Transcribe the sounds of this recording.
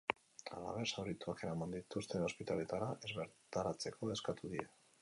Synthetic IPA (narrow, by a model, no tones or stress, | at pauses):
a̰la̰β̞e̞ɾsawɾit̪uake̞ɾamand̪it̪ust̪e̞no̞spit̪ale̞t̪aɾaʔe̞zβe̞ɾt̪aɾat͡se̞kʰo̞e̞skat̪uðie